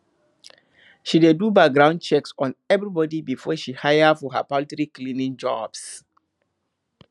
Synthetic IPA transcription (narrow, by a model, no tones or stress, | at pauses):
ʃidedubak̚ɡɹãʊ̃n̚t͡ʃɛksɔ̃nɛvɹibɔdibifɔʃihajəfɔɦə̰palitɹiklĩnĩŋd͡ʒɔb̥s